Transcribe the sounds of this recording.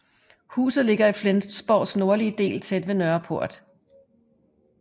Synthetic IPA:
hṵːsð̩ˠle̝ɡ̥ɐiflensb̥ɒ̰ʊ̥sno̝ɐliəd̥e̝̰ːlt͡sʰed̥ʋe̝nœɐpʰo̝ɐ̰d̥

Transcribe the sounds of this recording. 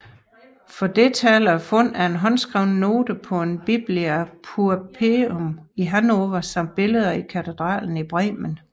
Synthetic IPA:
fɒ̽d̥e̝t͡sʰɛːlɐfɔ̽n̰æɐe̝nɦɒ̽nsɡ̥ʁaʊ̰nəno̝ːd̥əpʰɒ̽e̝nb̥ib̥liæpʰuæpʰe̝omiɦænoʋæsɒ̽mb̥e̝ləð̞ˠɐikʰæt͡sʰe̝d̥ʁɑ̰ːln̩ib̥ʁɛ̰ːmən

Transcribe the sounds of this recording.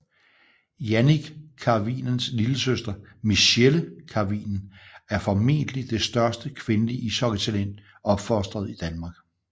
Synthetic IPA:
jæniɡ̥kʰɑ̈ʋḭnnsliləsøsd̥ɐmiɕeləkʰɑ̈ʋḭːnn̩æɐfɒ̽me̝̰ːnd̥əlid̥e̝sd̥ɶɐsd̥əkʰʋe̝nəliʔisɒ̽ɡ̥ət͡sʰælen̰ | ɒ̽b̥fɒsd̥ʁɐð̞̩ˠid̥ænmɑ̈ːɡ̥

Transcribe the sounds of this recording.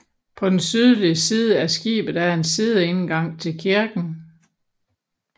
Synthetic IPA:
pʰɒ̽d̥ensyð̞ˠliəsiːð̞ˠəæɐsɡ̥ḭːb̥ð̩ˠæɐe̝nsiːð̞ˠəenɡ̥ɑ̈ŋ̰t͡sʰe̝lkʰiɐɡ̥n̩

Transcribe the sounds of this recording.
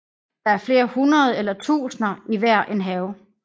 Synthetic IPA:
d̥ɑ̈æɐfle̝ːɐhunɐð̞ˠelɐt͡sʰṵːsnɐiʋæɐ̰ʔe̝nɦɛːʊ

